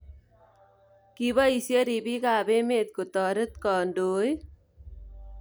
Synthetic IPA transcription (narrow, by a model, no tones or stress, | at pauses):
kiβaisjəɾibikaːbemeːt̪̚kot̪ɔːɾət̪kɔːnɖoːj